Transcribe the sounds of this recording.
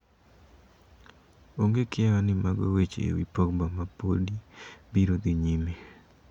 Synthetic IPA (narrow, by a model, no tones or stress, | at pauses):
oŋɡekɪawanɪmaɡo̰wet͡ʃḛwipɔkbamapodibiɾod̪iɲime